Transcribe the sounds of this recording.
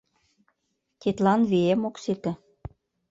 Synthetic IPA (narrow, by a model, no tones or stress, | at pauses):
t̪ʲet̪lɑnβeemokset̪ĕ